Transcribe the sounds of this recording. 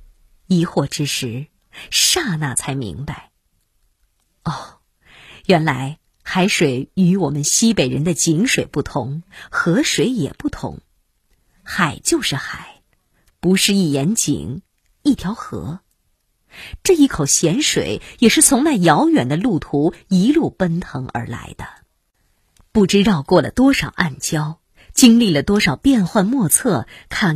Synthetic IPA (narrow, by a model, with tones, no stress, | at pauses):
i˧˥xwɔ˥˩ʈ͡ʂɻ̩˥ʂɻ̩˧˥ | ʂa˥˧na˥˩t͡sʰa˧˥ɪmḭ˧˥ŋpa˥˧˩ɪ | ɔ˥˩ | jɥɛ˧˥nla˧˥ɪ | xa˧˥ɪʂwe˨˩ɪy˧˥wɔ˨˩mə˦nɕi˥pe˨˩ɪɻə˧˥nd̪ə˧t͡ɕi˧˥ŋʂwe˨˩ɪpu˥˩t̪ʰʊ˧˥ŋxɤ˧˥ʂwe˨˧˥ɪjɛ̰˨˩pu˥˩t̪ʰʊ̰˧˥ŋ | xa˨˩ɪt͡ɕjo˥˧ʊʂɻ̩˥˩xa˨˩˦ɪ | pu˧˥ʂɻ̩˥˧i˥˩jɛ˧˥nt͡ɕḭ˨˩˦ŋ | i˥˩t̪ʰjɑ˧˥ʊxɤ̰˧˥ | ʈ͡ʂɤ˥˧i˥˩kʰo˨˩ʊɕjɛ˧˥nʂwḛ˨˩˦ɪjɛ˨˩ʂɻ̩˥˩t͡sʰʊ˧˥ŋna˥˩ɪjɑ˧˥ʊɥɛ˨˩nd̪ə˦lu˥˩t̪ʰu˧˥i˧˥lu˥˩pə˥nt̪ʰɤ̰˧˥ŋʔə̰˞˧˥la̰˧˥ɪd̪̥ə˧ | pu˥˩ʈ͡ʂɻ̩˥ɻɑ˥˧ʊkwɔ˥˩lə̰˩t̪wɔ˥ʂɑ˨˩ʊʔa˥˩nt͡ɕjɑ˥ʊ | t͡ɕi˥ŋli˥˩lə˩t̪wɔ˥ʂɑ˨˩ʊpjɛ˥˧nxwa˥˧nmwɔ˥˧t͡sʰɤ˥˩kʰa˥˩n